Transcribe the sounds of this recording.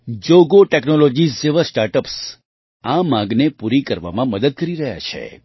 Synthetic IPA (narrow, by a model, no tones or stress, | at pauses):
d͡ʒoɡoʈeknolod͡ʒiseʋəɾsʈaɾʈəps | amãɡnepuɾikəɾʋa̰mãməd̪əd̪̚kəɾiɾəɦja̰t͡ʃʰḛ